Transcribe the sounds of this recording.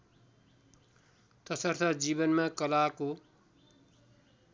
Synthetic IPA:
t̪ʌsʌrt̪ʰʌd͡zibʌnmakʌlako

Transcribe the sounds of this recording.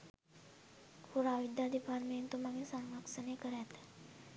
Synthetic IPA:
puɾaʋid̪ad̪ipaɾment̪umaŋisaŋŋlaksənekəɾɛt̪

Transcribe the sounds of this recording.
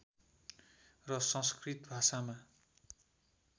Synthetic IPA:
rʌsʌ̃skrit̪bʱasama

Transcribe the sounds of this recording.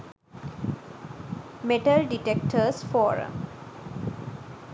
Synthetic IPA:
meʈəlɖiʈek̚ʈʰəsfɔːɾə̰̃m

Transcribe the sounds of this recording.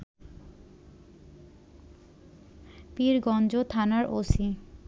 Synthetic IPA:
piɾɡɔnd͡ʑot̪ʰanaɾʔosi

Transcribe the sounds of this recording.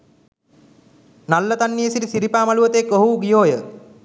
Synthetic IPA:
nalːət̪anːiəsilisiɾipaːmaluət̪əekːoɦuɡijoːjə

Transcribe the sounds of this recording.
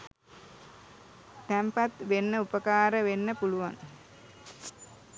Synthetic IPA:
t̪æmpat̪ʋenːəupəkaːɾəʋenːəpuluʋaŋ

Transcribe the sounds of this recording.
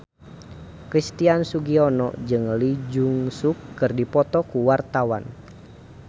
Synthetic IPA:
kɾist̪iansuɡiɔnɔ̰d͡ʒɨŋlid͡ʒuŋsukːɨrdipɔt̪ɔkuwart̪awa̰n

